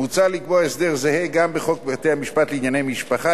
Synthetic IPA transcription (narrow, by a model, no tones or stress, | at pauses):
ut͡salikboaesd̪eʁzeheɡambeχok̚bet̪ehamiʃpat̪leinjanejmiʃpaχa